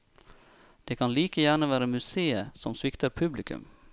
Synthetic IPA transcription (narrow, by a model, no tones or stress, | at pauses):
d̪̥eːkʰɑnliːkəjæːɳəʋæːɾəmʉseːəsɔmsʋɪkt̪ʰəɾpʰʉblɪkʉ̰m